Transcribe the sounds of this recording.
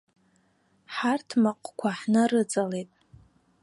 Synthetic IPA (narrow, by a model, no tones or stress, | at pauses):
ħartʰmaqʷʼkʷʰaħnɨrɨt͡sʼalejtʼ